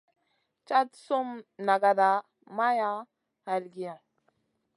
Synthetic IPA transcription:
t͡ʃa˦tso˦mna˨ɡa˨da˨ | ma˦ja˦ | ha˨lɡi˦ja˨

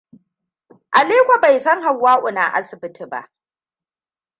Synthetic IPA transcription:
ʔa˨leː˦kʷa˨ba˨jsɐ˦ŋɦa˨wːaː˦ʔʷʊ˨na̰ː˨ʔa̰˦sɪ˨bɪ˦tʰi˨ba̰˦˨ʔ

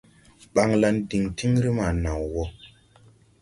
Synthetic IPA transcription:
ɓa˨ŋla˧ndi˨ŋti˦ŋ˦ɾi˦ma˨na˨wwɔ˦

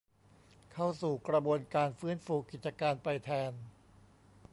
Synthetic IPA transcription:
kʰa˥˩wsuː˨˩kɾa˧bu˧ənkaː˧nfɯː˥˨nfuː˧ki˨˩t͡ɕa˧kaː˧npa˧jt̪ʰɛː˧n

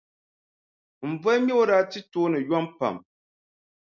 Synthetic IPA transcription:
m̩˨vɔ˦mɛ˦o˦ɾa˦ti˦toː˦nɨ˨jɔ˦mpa̰˨m

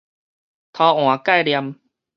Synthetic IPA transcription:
t̪ʰɔː˧ʔo˨˩˦a˧˩ka˥˩jli˧əm

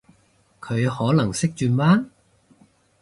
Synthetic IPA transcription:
kʰɵ˨˧ɥhɔː˨˥lɐ˨˩ŋsɪ˥k̚t͡ʃyː˧nmaː˥

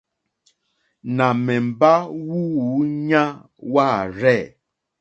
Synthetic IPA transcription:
nã˨mɛ˨m̩˨ba˦wu˦wu˨˦ɲã˦ | wa˦˨ɾɛ˦˨

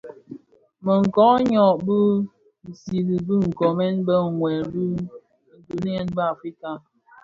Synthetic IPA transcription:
mə˨ŋ̩˨kɔ˨˦ɲɔ˨bə˦˨ | si˨li˨bɨ˦ŋ̩˨kɔ˨mɛ˦nbə˦˨ŋwɛ˨lbu˦˨ | n̩˨du˨ni˦ɛ˦nbə˦a˨fɾi˦ka˦

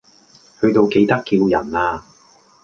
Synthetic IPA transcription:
hɵ˧ɥt̪o˨˧wke˨˧jt̪ɐ˥kːi˧wjɐ˨˩naː˧

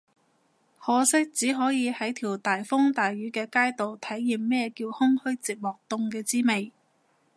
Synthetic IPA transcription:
hɔː˨˧sɪ˥k̚t͡siː˨˥ɦɔː˨˥jiː˨˧hɐ˨˥jt̪ʰiː˨˩wt̪aː˨jfʊ˥ŋt̪aː˨jɥyː˨˥kɛː˧kaː˥jt̪o˨wt̪ʰɐ˨˥jːiː˨mmɛː˥jɛ˧kiː˧whʊ˥ŋhɵ˥ɥt͡siː˨p̚mɔː˨k̚t̪ʊ˧ŋkɛː˧t͡siː˥me˨j

